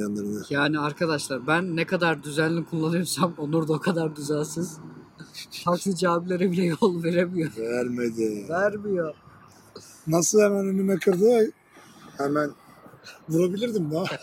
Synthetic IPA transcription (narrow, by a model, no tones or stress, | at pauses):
anˠaɾɯnɯjaːniaɾkʰad̪aʃlˠaɾbænːekʰad̪aɾd̪yzænlʲikʰulˠːanɯjɾsamonuɾd̪aokʰad̪aɾd̪yzænsɯz̥ | fʰaklˠɯd͡ʒaːblʲe̞ɾibilʲɛjolˠveɾemijoɾæɾmed̪ɪvæɾbijo | nasɯlˠhɛmænønymɛkʰɯɾd̪ɯaj | hɛmæn | vuɾabilʲiɾd̪imd̪a